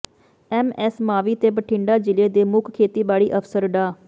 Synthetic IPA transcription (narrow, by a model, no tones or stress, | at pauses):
ɛːmɛːsmaːʋiːt̪eːbəʈʰɪ̃ɳɖaːd͡ʒɪleːd̪eːmʊkʰkʰeːt̪iːbaːɭiːʔəpʰsəɾɖaː